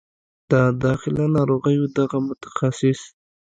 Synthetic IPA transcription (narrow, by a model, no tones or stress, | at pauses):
d̪̥əd̪ɑxɪlanɑɾoɣəjod̪aɣamʊt̪ḁxasɪs